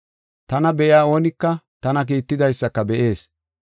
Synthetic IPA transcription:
t̪ɐnɐbɛʔjɪaːo̞ːnɪkːɐt̪ɐnɐk̬iːt̪ːɪd̪ɐjsːɐkːɐbɛʔe̞ːs

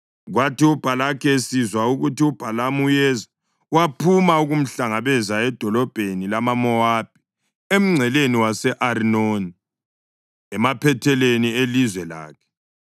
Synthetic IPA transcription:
ɣwatiub̥ʱalakʰesizwauɣutiub̥ʱalamujɛza | wapʰumauɣum̩ɬaŋaβɛzaɛd̥ʱɔlɔb̥ʱenilamamɔwab̥̚ʱi̥ | em̩ŋ͡ǀʱɛleniwasɛʔarinoni | ɛmapʰɛtʰɛlenielizwɛla̰ːkʰɛ̥

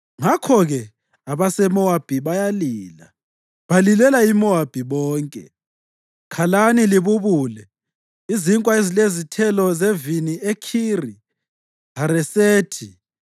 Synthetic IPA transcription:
ŋakʰɔɣɛ | aβasɛmɔab̥ʱiβajaliːla | βalilɛlaimɔab̥ʱiβɔːŋkʼɛ̰ | kʰalaniliβuβuːlɛ | iziŋkʼwaezilezitʰɛlɔzeviniekʰiri | ɦaɾɛseːtʰi

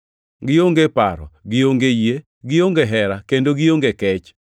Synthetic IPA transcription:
ɡɪoŋɡepaɾɔ̰ɡɪoŋɡejje | ɡɪjoŋɡeɦɛɾakendoɡɪjoŋɡekɛt͡ʃ

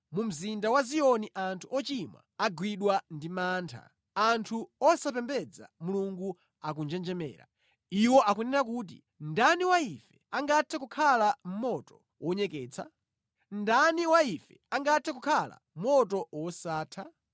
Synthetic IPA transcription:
mum̩zindawazijɔniʔantʰuʔɔt͡ʃimwa̰ːɡwiɗwandimaːntʰa̰ | antʰuɔsap̬ɛmbɛd͡za̰muluŋɡu | ak̬und͡ʒɛnd͡ʒɛmɛ̰ːɾa̰ | iwɔʔakunɛɾak̬uːt̬ḭ | ndaniwaifɛaŋɡatʰɛkukʰalam̩mɔtɔ̥ | wʔɔɲɛkɛːt͡sʰa̰ | ndaniwaifɛaŋɡatʰɛkukʰala̰m̩mmɔtɔwɔsaːtʰa

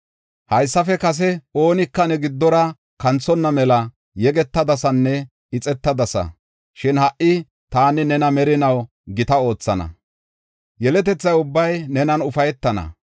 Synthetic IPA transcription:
hɐjsːɐfɛkɐs̬ɛo̞ːnɪkːɐnɛɡɪd̪ːɔɾɐ | kɐnt͡sːɔnːɐmɛlɐ | jɛɡɛt̪ːɐd̪ɐsɐnːɛ | ɪt͡sʼɛt̪ːɐd̪ɐsɐ̰ | ʃɪnhɐʔɪ | t̪aːnɪnɛnɐmɛɾɪnɐw | ɡɪt̪ɐo̞ːt͡sːɐnɐ̰ | jɛlɛt̪̬ɛt͡sːɐjʊbːɐjnɛnɐnʊfɐjɛt̪ːɐnɐ̰

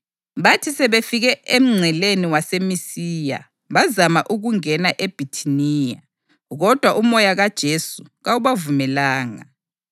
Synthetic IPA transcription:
βatʰisɛβefiɣɛʔem̩ŋ͡ǀʱɛleniwasemisiːja̰ | βazamaʔuɣuŋɛnaʔeb̥ʱitʰiniːja̰ | ɣɔd̥ʱwaʔumɔjaɣad̥ʒ̥ʱesuɣawuβavumɛlaːŋa̰

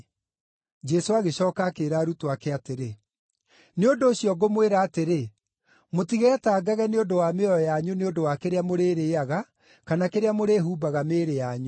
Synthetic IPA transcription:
d͡ʒɛsoaɣeɕɔːkakeɾaːɾutoakɛateɾe | neondoːɕiɔɡomweɾaːteɾe | motiɣɛtaːɡaɣɛneondowameɔɔjaɲoneondowakeɾeamoɾeːɾeːaɣa | kanakeɾeamoɾeːɦuːbaɣameːɾejaɲo

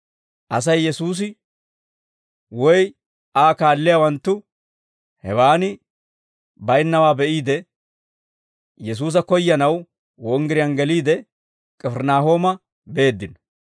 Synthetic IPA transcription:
ʔɐs̬ɐjːɛsuːs̬ɪ | wɔj | aːkaːlːɪjawɐnt̪ːʊ | hɛ̰waːnɪ | bɐjnːɐwaːbɛʔiːd̪ɛ | jɛs̬uːs̬ɐkɔjːɐnɐw | wɔŋɡɪɾɪjɐnɡɛliːd̪ɛ | kʼɛfɛɾnaːɦoːmɐ | be̞ːd̪ːɪn

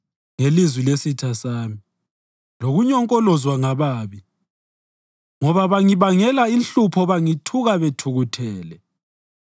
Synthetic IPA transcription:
ŋelizwilesitʰasaːmi | loɣuɲɔŋkʼɔlɔzwaŋaβaːβi | ŋɔβaβaŋiβaŋɛlainɬupʰɔβaŋitʰuɣaβetʰuɣutʰɛːlɛ

